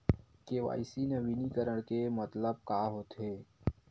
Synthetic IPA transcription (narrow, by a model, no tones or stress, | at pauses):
keʋa̰ːɪsinəʋiːnikəɾəɽ̃kemət̪ləb̚kaːɦoːt̪ɦeː